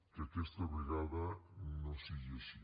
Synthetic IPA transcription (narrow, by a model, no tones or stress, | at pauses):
keakest̪aoβɾiɣaðanõsiɣesi